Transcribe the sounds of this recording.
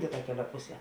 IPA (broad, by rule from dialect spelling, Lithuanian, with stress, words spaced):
ˈkʲeːˌtuɔ ˈkʲæːˌlʲuɔ ˈpʊˌsʲiɛ